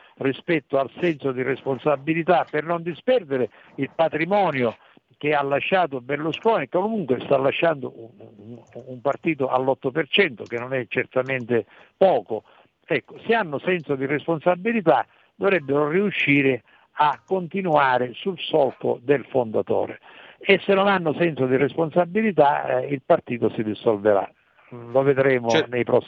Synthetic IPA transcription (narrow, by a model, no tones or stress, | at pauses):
rispɛt̪ːoalsɛnsod̪iresponsabːilit̪apːernond̪ispɛrd̪eɾɪ | ilpat̪ɾimɔːnjo | k̟ealːaʃːaːt̪̬obelːuskɔːnikːokomuŋkwest̪alːaʃːand̪o̰ | umpart̪iːt̪oʔa̰lːɔt̪ːopert͡ʃɛnt̪ok̟enːonɛt͡ʃːert̪ament̪ɪ | pɔːko | ɛkːoseanːʊsɛnsod̪iresponsabːilit̪a | d̪ovɾɛbːeɾoriuʃːiːɾɪ | akːont̪inuaːɾɪsulsɔlko̰d̪elfond̪at̪ɔ̰ːɾḛesːenːonanːʊsɛnsod̪iresponsabːilit̪̬a̰ilpart̪iːt̪osid̪isolveɾa̰ | loved̪ɾɛːmonejpɾɔsː